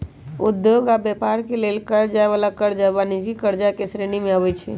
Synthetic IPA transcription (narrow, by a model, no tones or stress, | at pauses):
ud̪joɡabjɛpaɾkelelkəd͡ʒaeβalakəɾd͡ʒabanid͡ʒɡikəɾd͡ʒakesɾenimeaβɛt͡ʃʰɛ̰